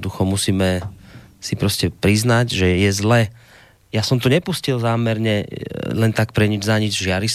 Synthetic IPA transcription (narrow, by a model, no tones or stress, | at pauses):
d̪uxɔmusiːmɛ | sipɾɔscɛpɾiznaɟʒɛjɛzlɛː | jasɔmt̪uɲɛpuscilzaːmɛɾɲɛlɛnt̪ak̚pɾɛɲid͡ʒzaɲid͡zʒɪaɾis